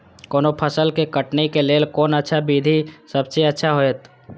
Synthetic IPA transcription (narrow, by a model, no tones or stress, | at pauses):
koːnopʰəsəlkekəʈnekeleːlkoːnətːʃʰabiːd̪ʱisəbseətːʃʰaɦoːet̪